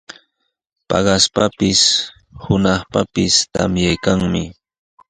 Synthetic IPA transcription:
pɑ̰ɢɑspapɪs | hʊnɑχpapɪst̪amjajkaŋmɪ

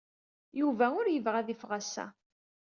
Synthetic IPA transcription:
juvæʊɾjəvʁæðifʁæsːæ̰

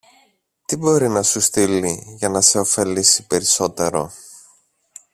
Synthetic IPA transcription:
t̪ibo̞ɾinɐsust̪iliʝɐnɐse̞o̞fe̞lisipe̞ɾiso̞t̪e̞ɾo̞̰

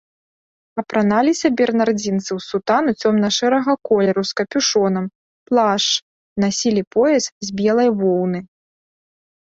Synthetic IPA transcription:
ɐpɾanalʲisʲɐbʲɛrnard͡zʲint̪sɨwsut̪anut͡sʲɔmnɐʂɛɾɐɣɐkɔlʲɛɾuskɐpʲuʂɔnɐm | plˠaʂ | nasʲilʲipɔjɛszʲbʲɛlˠɐjvɔwnɨ

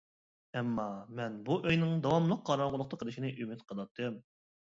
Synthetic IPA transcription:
ɛmːɑmɛnbuʔøjnɪŋd̪ɑwɑmlˠəq̚ʰːɑɾɑɴʁʊlˠəq̚t̪ʰɑqʰəlˠɨʃinɪʔymɪt̪qʰəlˠɑt̪ʰːɨm

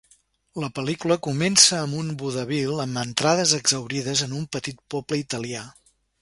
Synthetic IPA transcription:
ləpəlikuləkumɛnsəːmbunbuðəβilˠəmbənt̪ɾaðəzəɡzəwɾiðəzənumpət̪it̪̚pɔpləit̪əlia

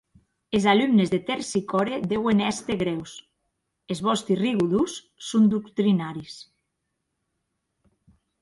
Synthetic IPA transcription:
ezalumnezðet̪eɾsikɔɾed̪ewenɛst̪eɣɾɛws | ezβɔst̪iriɣuðusː | ond̪ukt̪ɾinaɾis

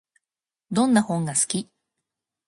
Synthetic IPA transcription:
d̪õ̞nːahõ̞ŋɡasɨ̥kʲi

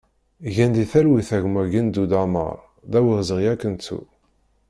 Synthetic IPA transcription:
ʝænd̪iθælwiθæʝmæɡind̪ud̪amə̰ɾˤ | ðæwiʁzəʁjækːənt͡sːṵ

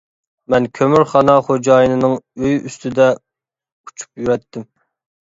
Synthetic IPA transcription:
mɛnkʲʰømyɾχɑnɑχod͡ʒɑːjinɨnɨŋøjyst̪ʰɪd̪ɛ | u̥t͡ʃʰu̥pjyɾɛt̪ʰːɪm

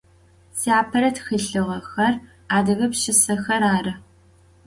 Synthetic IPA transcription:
siaːpʰɐɾɐtʰxɨɬɨʁɐxɐr | aːdɐɣɐpʃɪsɐxɐɾaːrɨ

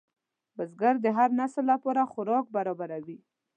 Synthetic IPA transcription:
bəzɡaɾd̪əɦaɾnasəlːapɑɾaxʊɾɑk̚baɾɔbaɾawi

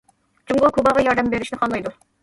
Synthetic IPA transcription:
d͡ʒuŋɡʊlˠkʰubɑʁɑjɑɾd̪ɛmbeɾɪʃnɪχɑnlˠɑjd̪u

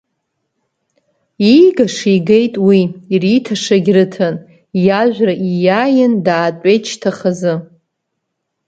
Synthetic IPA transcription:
iɡaʂiɡejtʼwiːritʰaʂaɡʲrɨtʰan | jaʒᶣʷraʔijajɪndaːtʷʼejt͡ʃʰtʰaχazɨ

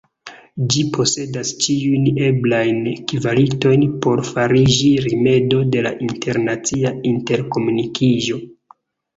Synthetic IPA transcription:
d͡ʒipʰo̞se̞dast͡ʃiujne̞blajnkivalito̞jnpo̞ɾfaɾid͡ʒiɾime̞do̞de̞la̰ʔinte̞ɾnat͡siainte̞ɾko̞munikʰiʒo̞

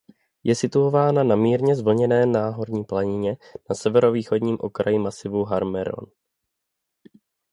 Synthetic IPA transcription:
jʔɛsɪt̪uovaːnanamiːɾɲɛzvl̩ɲɛnɛːnaːɦo̞ɾɲiːplaɲɪɲɛnasɛvɛɾo̞viːxo̞dɲiːmʔo̰kɾajɪmasɪvuɦaɾmɛɾo̞̰n

